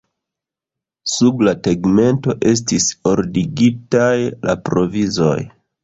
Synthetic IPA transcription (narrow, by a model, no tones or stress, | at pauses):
sublateɡme̞nto̞ʔe̞s̬tiso̞ɾdiɡitajla̰pɾo̞vizo̞̰j